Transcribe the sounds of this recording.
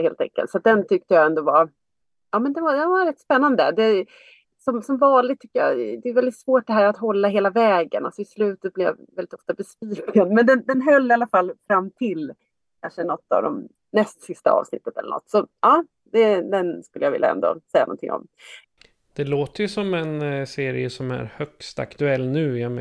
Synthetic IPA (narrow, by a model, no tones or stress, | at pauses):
heːlt̪ɛ̰ŋkə̰lt̪sat̪̚d̪ɛnt̪ʰʏk̚t̪əjaɛnd̪oːvɑ | ɑːmɛnd̪ɛnvad̪ɛnvaɾɛt̪ːspɛnːand̪ə̰d̪ɛ | sɔmsɔmvɑːnlɪɡ̚t̪ʰʏkːəja̰d̪ɛːvɛld̪ɪt̪svoːʈ̚d̪ɛɦæːɾat̪ɦɔlːaɦeːlavɛːɡə̰na̰lsɔɪslʉ̟ːt̪ət̪̚blɪja̰vɛlɪt̪ɔft̪abɛspiːkɡənmɛnd̪ɛnd̪ɛnɦœlːɪalːafalːfɾamːt̪ʰɪl | kʰanʂənɔt̪ːa̰vd̪ɔ̰m | nɛst̪sɪst̪a̰ɑ̰ːvsnɪ̰t̪ːət̪ɛ̰lːə̰ɳʔɔ̰t̪ːsɔɑː | d̪ɛd̪ɛnskɵlːəjavɪ̰ljaɛ̰nd̪o̰ːsɛjːanɔ̰nt̪ʰɪ̰ŋːɔ̰m | d̪̥ɛloːt̪əɾjɵsɔmɛnseːɾɪ̰əsɔmæ̰ɾhœkst̪a̰kt̪ɵɛlːnʉ̟ːjam